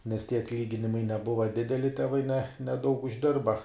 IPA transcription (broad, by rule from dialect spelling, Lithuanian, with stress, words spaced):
nʲɛs tʲiɛ ɐtʲˈlʲiːɡʲɪnʲɪmɐɪ nʲɛˈbʊʋɐ ˈdʲɪdʲɛlʲɪ tʲɛˈʋɐɪ nʲɛ nʲɛˈdɐʊk ʊʒʲˈdʲɪrbɐ